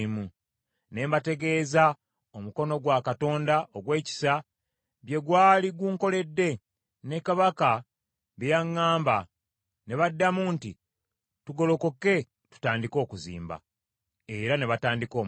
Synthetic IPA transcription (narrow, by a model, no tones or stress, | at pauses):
mu | ne̞ːmbate̞ɡe̞ːza | o̞muko̞no̞ɡwakato̞ːndaoɡwe̞ːci̥sa | βje̞ɡwaːliɡwuːŋko̞le̞dːe̞ | ne̞kaβaka | βejaŋːaːmba | ne̞βadːamunti | tuɡo̞lo̞ko̞ke̞ | tu̥taːndiko̞ːkuzḭːmba̰ | e̞ɾane̞βataːndiko̞ːm